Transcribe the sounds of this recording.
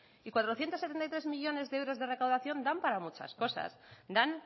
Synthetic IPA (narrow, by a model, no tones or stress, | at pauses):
ikwat̪ɾoθje̞nt̪oset̪ent̪ajt̪ɾemiʎo̞ne̞zðeewɾo̞zðe̞re̞kawðaθjo̞nd̪ampaɾamut͡ʃa̰sko̞sa̰sd̪an